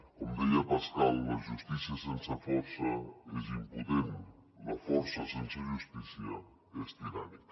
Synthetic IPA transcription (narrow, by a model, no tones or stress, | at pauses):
komd̪iɐpɐskalˠumɐʒuʃt̪isiɐsẽnsɐfɔɾsɐezĩmpuðem | mɐfɔɾsɐsẽnsɐʒuʃt̪isjiɐ | est̪inamik